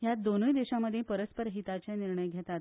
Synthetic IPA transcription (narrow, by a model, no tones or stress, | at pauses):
jat̪̚d̪onəjd̪eɕaməd̪ʱːjepəɾəspəɾɦit̪at͡ɕeniɾɳəjɡʱet̪at̪